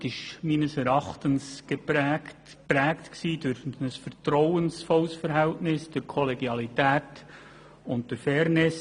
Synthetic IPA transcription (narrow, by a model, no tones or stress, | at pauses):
ɪʃmiːnəsɛɾɑχtənsɡ̥epæ | pɾæːktksiːdʊɾçnəsfəɾtɾɔwənsfɔlsfəɾɦɛltnɪsd̥əɾkʰɔleɡjɑlitæːt | ʊnt̚d̥əɾfɛːɾnɪs